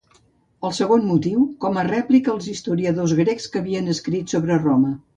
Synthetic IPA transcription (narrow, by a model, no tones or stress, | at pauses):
əlˠsəɣ̞onmut̪iwkɔmərɛplikəːlˠzist̪uɾiəðozɣɾekskəβiənəskɾit̪soβɾəromə